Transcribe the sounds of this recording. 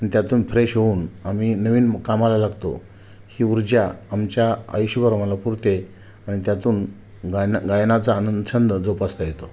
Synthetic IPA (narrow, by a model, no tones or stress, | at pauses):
anit̪ʲjat̪uːnfɾeɕɦouːnaminəʋiːnkamalalaɡt̪o̰ | hiːuɾd͡ʑjaamt͡ɕjaa̰jɕubəɾmalapuɾt̪e | aɽ̃it̪jat̪uːn | ɡaɡajnat͡saːnənd̪əɕənd̪əd͡zopast̪ajet̪o